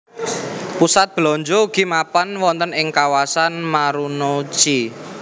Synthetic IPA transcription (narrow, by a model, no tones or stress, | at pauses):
pusat̪̚b̥lɔɲd͡ʒouɡ̥i̤mapanwɔnt̪ənɪŋkawasanmaɾunot͡ʃi